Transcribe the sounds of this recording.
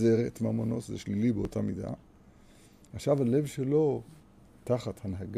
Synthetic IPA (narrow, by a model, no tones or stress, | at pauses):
eʁetmamono̞tzeʃlilibeotamida̰ | aχʃavale̞vʃelo̞ | taχathanɦaɡ